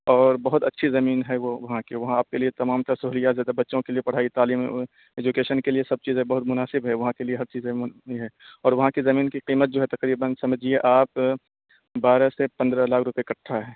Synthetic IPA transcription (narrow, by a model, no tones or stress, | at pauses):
ɔːɾbɐɦʊt̪ɐtːʃʰizɐmiːnɦɛʋoʋɐɦãkeʋɐɦãaːp̚keliet̪ɐmaːmt̪ɐɾsʊɦlijazjaːd̪abɐtːʃõkeliepɐɽ̤aːit̪aːliːm | eːd͡ʒʊkeːʃənkeliesɐb̚t͡ʃiːzẽbɐɦʊt̪mʊnaːsɪbɦɛʋɐɦãkelieɦɐɾt͡ʃiːzɛɦɛːɔːɾʋɐɦãkizɐmiːnkiqiːmət̪̚d͡ʒoːɦɛt̪ɐqɾiːbənsɐməd͡ʒieʔaːp | baːɾsepɐ̃nd̪ɾəlaːkʰɾʊpekɐʈʰːaɦɛː